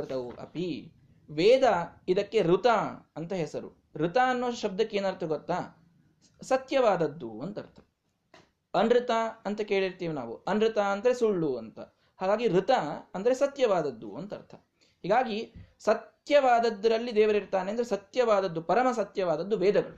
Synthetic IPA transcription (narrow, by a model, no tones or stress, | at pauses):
ɾt̪ɐuʔɐ̰pi | ʋɛːd̪ɐid̪ɐkːe̞ɾut̪aɐnt̪ɐɦɛsɐɾṵ | ɾut̪aːɐnːoːʃɐb̚d̪ɐkːeːnɐɾt̪ʰɐɡɔt̪ːa | sɐt̪jɐʋaːd̪ɐd̪ːuɐnt̪ɐɾt̪ʰɐ̥ | ɐnɾɯt̪aːɐnt̪ɐkeːɭiɾt̪iːʋina̰ːʋuɐnɾɯt̪aɐnd̪ɐɾesuɭːuɐnt̪ɐ̰ | haːɡaːɡiɾut̪aɐnd̪ɐɾe̞sɐt̪jɐʋaːd̪ɐd̪ːṵɐnt̪ɐ̰ɾt̪ʰɐ̥ | hiːɡaːɡisɐt̪jɐʋaːd̪ɐd̪ːɐɾɐlːid̪ɛːʋɐɾiɾt̪aːneɐnd̪ɐɾesɐt̪jɐʋaːd̪ɐd̪ːupɐɾɐmɐsɐt̪jɐʋaːd̪ɐd̪ːuʋɛːd̪ɐɡɐɭu